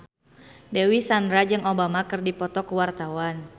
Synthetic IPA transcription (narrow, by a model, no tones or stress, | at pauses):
dɛwisandɾad͡ʒɨŋobamakɨrdipɔt̪ɔkuwart̪awan